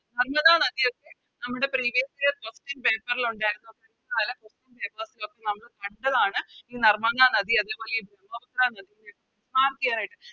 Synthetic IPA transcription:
nɐrmɐðaːnɐd̪ijo̞kːe̞ | nɐmːuɽe̞priːʋijɐsiɾekosʈinpe̞ːpːɐriluɳɖaːjiɾunːokːeɾnːɐðaːlɐkosʈinpeːpɐːsilokːe̞nɐmːɐɭkɐɳɖɐðaːɳɨiːnɐrmɐðaːnɐðiɐðe̞ːpoːleibɾɐmːɐbɐt̪ɾaːnɐðijinekːɨ | smaːrkːijaːnaːjiʈːɨ

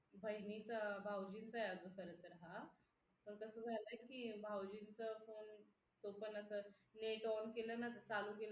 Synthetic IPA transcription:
bʱəɦnit͡sabʱawd͡ʑiːnt͡sajad̪ʋəkəɾət̪ɾaɦa | pəɾkəsəːd͡zʱaləekibʱawd͡ʑiːnt͡səfon | t̪opənəsə | neʈɔnkelənat̪ət͡salukelə

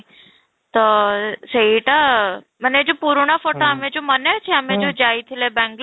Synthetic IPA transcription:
t̪ɔsɐiʈa | məned͡ʑopuːɾɳ̃əfoːʈoamẽd͡ʑomənet͡ʃʰeamẽd͡ʑod͡ʑaːit̪ʰilebɛ̃ŋɡl

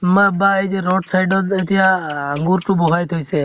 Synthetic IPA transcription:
mabaed͡ʒeɾɔʈsajɖɔet̪ijaaŋɡuɾʈũboɦajt̪ʰəjt͡ʃʰe

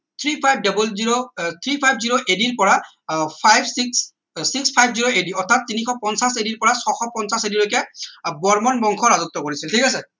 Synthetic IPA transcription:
t̪ʰɹipʰajb̚ʱdɔbɔlziɹot̪ʰɹipʰajb̚ʱziɹoʔediɹpɔɹa | pʰajbsiks | sikspʰajbʱziɹoʔediɔtʰatːinixɔpɔnsasediɹpɔɹasɔxɔpɔnsasedilojkɛbɔɹmɔnbɔŋkʰɔɹazɔk̚t̪ɔkoɹisiltʰikas̬ɛ

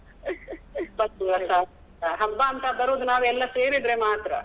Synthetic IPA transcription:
bɐuɐt̪ːɐ | ɦɐmbaːnt̪ɐbɐɾoːd̪unaːʋɛlːɐseːɾid̪ɾemaːt̪ɾɐ̰

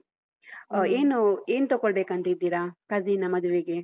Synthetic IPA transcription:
eːnueːnut̪ɔɡoɭbeːkɐnt̪ɐid̪ːiːɾakɐziːnɐmɐd̪uʋiɡe

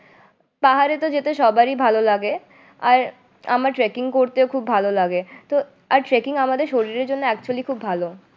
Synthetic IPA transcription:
paɦaɾet̪od͡ʑet̪eʃɔbaɾibʱalolaɡe | aɾ | a̰maɾʈɾekiŋkoɾt̪eokʰubːʱalolaɡet̪o | aɾʈɾekiŋamad̪eɾʃoɾiɾeɾd͡ʑonːoɛk̚t͡ɕualikʰubbʱalo

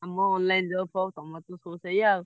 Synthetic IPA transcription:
amɔ̃ɔ̃nlaĩndfɔt̪ɔ̃mɔ̃t̪õsosɛjiao

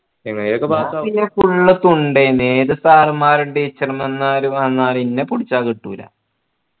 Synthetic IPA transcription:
niŋɐɭeiɾokːebainefuɭːɐt̪ːuɳɖeneːðɐsaːrɨmaːɾuɳɖeit͡ɕːɐrɐmenːaːɾuɐnːaːɾinːepuɽit͡ɕːaːkiʈːuːilɐ̰

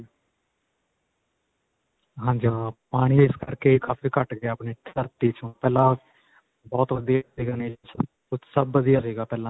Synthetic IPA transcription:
ɦãːɲd͡ʒaːpaːɽ̃iːɪskəɾkeːkaːfiːkəʈɡeaaːpniːʈʰəɾt̪iːt͡ʃõːpɛːlãː | bɔːt̪ʋəd̪ijasiːɡaːneːt͡ʃʰ | kʊt͡ʃʰsəbːəd̪ɪjaːsiːɡaːpɛːlãː

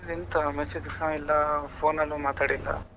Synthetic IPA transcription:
ɾint̪ɐmɛsed͡ʒɐsɐ̃ilːɐpʰoːnɐlːumaːt̪aːɽilːɐ̰

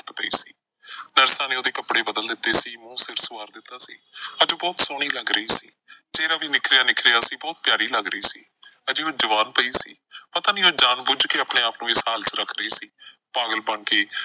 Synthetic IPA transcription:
t̪pəḭːsiː | nəɾsãːneːoːd̪eːkəpɽeːbəd̪əld̪ɪt̪ːeːsiːmũːsɪɾfsʊʋaːɾd̪ɪt̪ːaːsiːəd͡ʒõːbɔːt̪soːɽ̃iːləɡɾəiːsiːd͡ʒeːɾaːʋiːnɪkʰɾjaːnɪkʰɾɪjaːsiːbɔːt̪̚pjaːɾiːləɡɾəiːsḭː | əd͡ʒeːoːd͡ʒəʋaːnpəiːsḭː | pət̪aːnĩːoːd͡ʒaːnbʊd͡ʒkeːəːpɳeːaːpnũːɪsɦaːlt͡ʃəɾəkʰɾəiːsiː | paːɡəlbəɳkeː

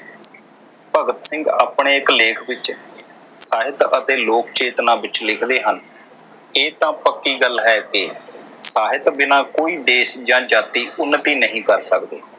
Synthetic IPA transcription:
pəɡət̪sɪ̃ŋɡa̰ːpɳeːɪkleːkʰʋɪt͡ʃ | saːɦɪt̪ət̪eːloːkt͡ʃeːt̪nãːbɪt͡ʃlɪkʰd̪eːɦən | eːt̪ãːpəkːiːɡəlɦɛːkɪ | saːɦɪt̪bɪnaːkoːiːd̪eːʃd͡ʒãːd͡ʒaːt̪iːʊnːət̪iːnəɦĩːkəɾsəkd̪eː

